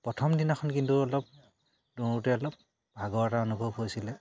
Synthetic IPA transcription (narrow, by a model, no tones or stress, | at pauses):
pɹɔtʰɔmdinaxʰɔnkintuɔlɔp̚ | duutɛɔlɔp̚ | bʱaɡɔɹtaɔnubʱɔbɦojsilɛ